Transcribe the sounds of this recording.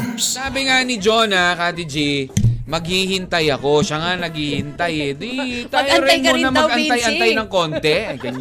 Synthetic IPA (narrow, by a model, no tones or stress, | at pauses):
aːbɪŋanɪd͡ʒonakat̪ɪd͡ʒimɐɡ̚hihɪnt̪ɐjɐko̞ʃaŋanɐɡ̚hiːhɪnt̪ajɛd̪it̪aːjɾɪnmunɐmɐɡɐnajɐnt̪ajnɐŋko̞nt̪ɛɡɐn